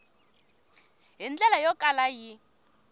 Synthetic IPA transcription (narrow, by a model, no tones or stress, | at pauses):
ɦind͡ɮɛlajɔkʼalaji